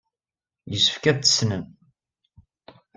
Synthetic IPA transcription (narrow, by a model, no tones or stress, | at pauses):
jəsə̥fkæðt͡sːə̥snəm